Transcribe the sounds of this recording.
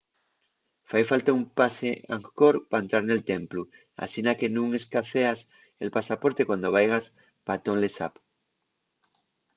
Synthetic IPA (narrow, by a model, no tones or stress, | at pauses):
fajfalt̪aumpaseãŋkoɾpaent̪ɾaɾne̞lt̪emplu | a̰sinake̞nũŋe̞skaθeas | ḛlpasapo̞ɾt̪ekwand̪o̞β̞ajɣ̞as | pat̪oŋlesa̰p